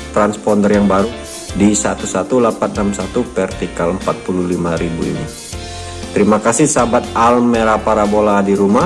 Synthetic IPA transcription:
t̪ɾanspɔndərjaŋbaɾu | disat̪usat̪ulapat̪̚namsat̪upɛrt̪ikaləmpat̪̚puluhlimaɾibuḭni | t̪əɾimakasɪhsabat̪̚almeɾapaɾaboladiɾuma

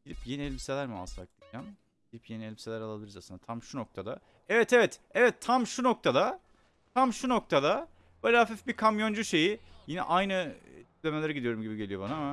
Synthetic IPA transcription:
ɟilʲipjeniɛlʲbise̞lʲæɾmia̰sˠak̚d̪id͡ʒam | ɟilʲipje̞nielʲbise̞lʲæɾalˠaiɾzasɯnd̪at̪ʰamʃuno̞kt̪ʰad̪a̰ | ɛvɛt̪ʰɛvɛt̪ | ɛvɛt̪ʰːamʃuno̞k̚t̪ʰad̪a | t̪ʰamʃuno̞k̚t̪ʰad̪a | b̥oːlʲaafifbikʰamjo̞nd͡ʒuʃe̞jijinɛ̰ʔajnɯd̪iclʲe̞melʲeɾɛɟid̪ijo̞ɾumɟibiɟe̞lʲijo̞banaama

